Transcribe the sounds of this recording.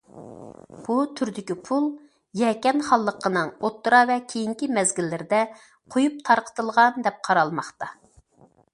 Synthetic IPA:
b̥ut̪ʰyɾd̪ɪkʲipʰulˠ | jɛkʲɛnχɑlˠːəqːənɨŋot̪ːɾɑvɛkʲʰejiŋkʲimɛzɡʲilːɪɾɪd̪ɛ | qʰojup̚t̪ʰɑɾqʰə̥t̪ɨlˠʁɑnd̪ɛp̚qʰɑɾɑlˠmɑχt̪ɑ

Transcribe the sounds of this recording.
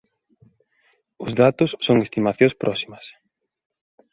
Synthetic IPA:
ʊzðat̪ʊsːoŋest̪imaθjõspɾʔɔsimɐs

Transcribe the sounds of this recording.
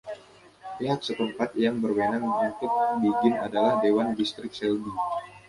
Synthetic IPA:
piɦak̚sət̪əmpat̪jaŋbərwenaŋbaŋkɪt̪̚biɡɪnadalahdewandist̪ɾɪk̚sɛlbi

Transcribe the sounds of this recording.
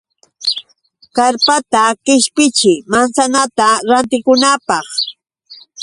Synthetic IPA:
kaɾpat̪akɪʃpɪt͡ʃɪmansanat̪aɾant̪ɪkʊnapɑχ

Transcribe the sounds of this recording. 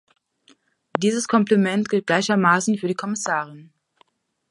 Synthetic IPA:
d̥iːzəskʰɔmplimɛntɡ̥ɪlt̚ɡ̥laɪçɐmaːsn̩fyːɐɾdiːkʰɔmɪsaːʁ̞ɪn

